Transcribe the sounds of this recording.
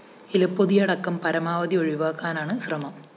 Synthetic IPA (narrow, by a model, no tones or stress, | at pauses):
ilɐpːoðijɐɽɐkːɐmpɐɾɐmaːʋɐd̪ioɻiʋaːkːaːnaːɳɨɕrɐmɐm